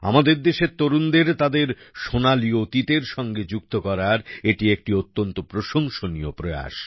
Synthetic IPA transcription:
a̰mad̪eɾd̪eʃet̪oɾund̪eɾt̪ad̪eɾʃonaliot̪it̪eɾʃɔŋɡed͡ʑuk̚t̪okɔɾaɾeʈiek̚ʈiot̪ːont̪opɾoʃoŋʃoniopɾoea̰ʃ

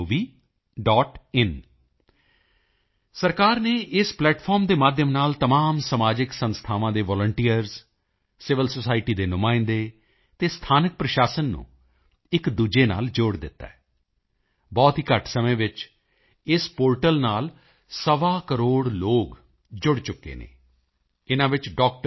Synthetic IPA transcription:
ʋiː | ɖɔːʈɪn | səɾkaːɾneːʔɪsplɛːʈpʰɔːɾmd̪eːmaːd̪ʱjəmnaːlt̪əmaːmsəmaːd͡ʒɪksənst̪ʰaːʋãːd̪eːʋɔːləɳʈiːəɾz | sɪʋəlsosaːɪʈiːd̪eːnʊmãːɪ̃nd̪eː | t̪eːst̪ʰaːnək̚pɾəʃaːsənːṵ̃ː | ɪkd̪uːd͡ʒeːna̰ːld͡ʒoːɽd̪ɪt̪ːa̰ːɛː | bɔːt̪ɦiːkəʈsəmẽːʋɪt͡ʃ | ɪspoːɾʈəlnaːl | səʋaːkəɾoːɽloːɡ | d͡ʒʊɽt͡ʃʊkːḛːnḛː | ɪnãːʋɪt͡ʃɖɔːk̚ʈə

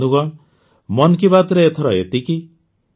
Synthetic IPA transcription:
d̪uɡɔɳ | mɔnk̬ibat̪ɾeet̪ʰɔɾɔḛt̪iki

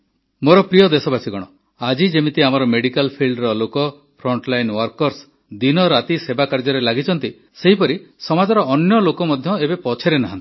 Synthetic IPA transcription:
moɾɔpɾijɔd̪esɔbasʰiɡɔɽ̃ɔ | ad͡ʒid͡ʒemit̪iamɔɾɔmeɽikalpʰilɖɾɔlokɔ | pʰɾɔɳʈlajnwɔɾkɔɾs | d̪inɔɾat̪isebakaɾd͡ʒɔɾelaɡit͡ʃʰɔnt̪i | seɦipɔɾisɔmad͡ʒɔɾɔːnjɔlokɔmɔd̪ʱjɔebepɔt͡ʃʰeɾenaɦã̰nt̪i̥

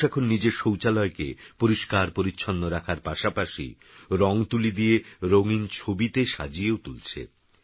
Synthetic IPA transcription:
ɛkʰonːid͡ʑeɾʃowt͡ɕalɔekḛpoɾiʃkaɾpoɾitːɕʰonːoɾakʰaɾpaʃapaʃḭ | ɾɔŋt̪ulid̪ieɾoŋint͡ɕʰobit̪eʃa̰d͡ʑieot̪ult͡ɕʰḛ

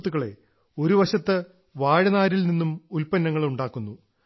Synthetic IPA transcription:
t̪ːuɣɐɭe̞̰ | o̞ɾuʋɐɕɐt̪ːɨ | ʋaːɻɐnaːɾilninːumulpɐnːɐŋːɐɭuɳɖaːkːunːu

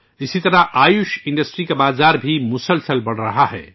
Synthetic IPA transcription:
ɪsit̪ɐɾaʔaːjʊʃɪ̃ɳɖəsʈɾikabaːzaːɾbʱimʊsəlsəlbɐɽ̤ɾɐɦaɦɛ̰ː

